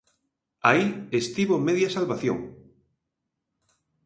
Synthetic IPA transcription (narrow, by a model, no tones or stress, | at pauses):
aiest̪iβomeðjasalβaθjoŋ